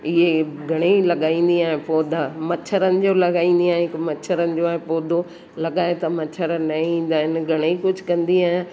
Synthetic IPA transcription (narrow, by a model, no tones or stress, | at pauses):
ɪɦeɡʱɐɽ̃eilɐɠaːĩːnd̪iaːɦɪ̃poːd̪ʱamɐt͡ɕʰəɾənɪ̆d͡ʑoːlɐɠaːĩːn̆d̪iaːɦɪ̃kmɐt͡ɕʰəɾənɪ̆d͡ʑoaːɦɪpoːd̪ʱo | lɐɠaːet̪ɐmɐt͡ɕʰəɾənɐĩːn̆d̪aːɦɪnɪɡʱɐɽ̃eikʊd͡ʑʱʊkɐ̃nd̪iaːɦɪ̃n